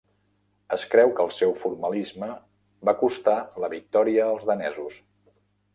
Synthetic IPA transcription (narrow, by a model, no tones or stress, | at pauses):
əskɾɛwkəlˠsɛwfuɾməlizmə | bakust̪aləβik̚t̪ɔɾiəːlˠzðənɛzus